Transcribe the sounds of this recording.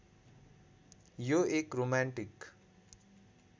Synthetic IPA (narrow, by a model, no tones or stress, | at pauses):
joekromaɳʈik